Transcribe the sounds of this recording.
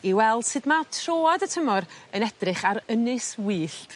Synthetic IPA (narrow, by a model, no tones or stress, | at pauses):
iwɛlˠd̥sɨdmatʰroːɔdətʰəmɔɾənɛd̥rɪχaɾənɨswiːɬ